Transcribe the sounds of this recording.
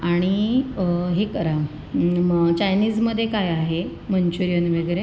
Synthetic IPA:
aɽ̃i | ɦekəɾa | t͡ɕajniːd͡zməd̪ʱːjekajaɦe | mənt͡ɕuɾijənʋeɡɾe

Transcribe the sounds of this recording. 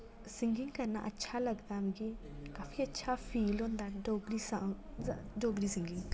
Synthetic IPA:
siŋɡiŋɡkɐɾna̰ʔɐtːʃʰalɐɡd̪amɡikaːfʰiətːʃʰapʰiːlõːnd̪aɖoɡɾisa | ɖoːɡɾisĩŋɡiŋɡ

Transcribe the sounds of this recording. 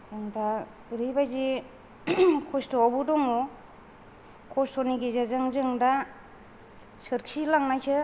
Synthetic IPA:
ɯŋda | ɾibajzi | kʰɔstɔɔbudɔŋɔ | kʰɔstɔniɡizazaŋzɯŋda | sɯɾksilaŋnajsɯ

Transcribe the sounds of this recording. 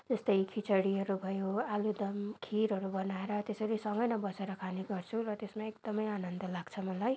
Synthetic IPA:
d͡zʌst̪ʌjkʰit͡sʌɽiʌɾubʱʌjoalud̪ʌmkʰiɾɦʌɾubʌnaeɾʌt̪esʌɾisʌŋɡʌjnʌbʌseɾʌkʰaneɡʌrt͡sʰuɾʌt̪esmaekd̪̥ʌmʌjanʌnd̪ʌlaɡ̥t͡sʰʌmʌlaj

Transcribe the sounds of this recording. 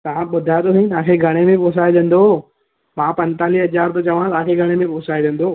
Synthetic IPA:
t̪ɐʋ̤ãɓʊd̪ʱat̪oĩt̪ɐʋ̤ãːkʰeːɡʱɐɽ̃emẽpoːs̬aːid̪ẽːn̆d̪oː | mãːpɐ̃nt̪aːliɦɐd͡ʑaːɾt̪ot͡ɕɐʋãt̪ɐãkʰeɡʱɐɽ̃ẽmẽpoːsaːid̪ẽːn̆d̪oː

